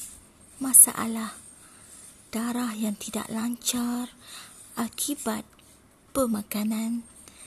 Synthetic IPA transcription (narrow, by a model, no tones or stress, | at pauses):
mãsa̰ʔa̰lah | d̥aɾahjaŋt̪ida̰ʔlaɲt͡ʃar | ʔakʰibat̪̚ | b̥əmãkanãn